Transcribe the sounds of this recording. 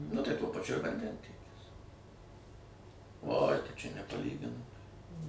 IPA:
nʊ ˈtɐɪ ˈtuɔ pɐˈt͡ʃʲʊ ɪr ʋɐnʲˈdʲɛnʲtʲiɛkʲɪs oːj ˈtɐɪ ˈt͡ʃʲɛ nʲɛpɐˈlʲiːɡʲɪnɐmɐɪ

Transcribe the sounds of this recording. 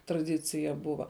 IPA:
trɐˈdʲɪt͡sʲɪjɛ ˈbʊʋɐ

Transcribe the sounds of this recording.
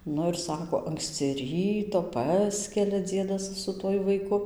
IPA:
ˈnʊ ɪr ˈsɑːkoː ˈɐŋksʲt͡sʲɪ ˈrʲiːtoː ˈpɑːsʲkʲɛlʲɛ ˈd͡zʲiɛdɐs sʊ ˈtuɔj ʋɐɪˈkʊ

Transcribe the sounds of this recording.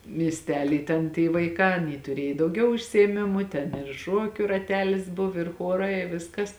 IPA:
mʲiɛsʲˈtʲæːlʲiː ˈtʲɛn tʲiː ʋɐɪˈkɑː ɐˈnʲiː tʊˈrʲiɛj dɐʊˈɡʲɛʊ ʊʃʲsʲɪeːˈmʲɪmʊ ˈtʲɛn ɪr ˈʃuɔkʲʊ rɐˈtʲæːlʲɪs ˈbʊw ɪr ˈxuɔrɐɪ ɪ ˈʋʲɪskɐs

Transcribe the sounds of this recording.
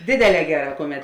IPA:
ˈdʲeːdʲeːˌlʲɛː ˈɡʲæːˌrɑː ˈkʊˌmʲɛt

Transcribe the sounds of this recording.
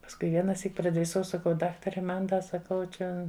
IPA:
pɐsˈkʊɪ ˈʋʲiɛnɐˌsʲiːk prɐdʲrʲɪˈsɐʊ sɐˈkɐʊ ˈdɑːktɐrʲɛ ˈmɐn ˈdɐ sɐˈkɐʊ ˈt͡ʃʲɛ

